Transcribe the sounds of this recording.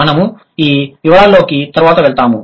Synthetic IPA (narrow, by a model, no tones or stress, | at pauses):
ɐnɐmu | iːʋiʋɐɭaːlːo̞ːkit̪ɐɾuʋaːt̪ɐʋeɭt̪aːmu